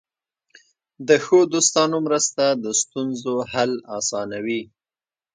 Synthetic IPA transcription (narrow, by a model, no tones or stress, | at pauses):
d̪əxod̪ost̪ɑnomɾəst̪ad̪əst̪unzohalɑsɑnawi